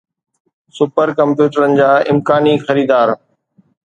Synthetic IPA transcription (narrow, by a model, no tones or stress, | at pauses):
sʊpəɾkɐ̃mpjuːʈəɾənɪ̆d͡ʑaːɪmkaːnixɐɾiːd̪aːɾ